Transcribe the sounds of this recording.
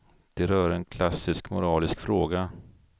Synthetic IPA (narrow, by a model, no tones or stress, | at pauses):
d̪̥ɛɾœːɾɛnkʰlasːɪskmʊɾɑːlɪskfɾoːɡa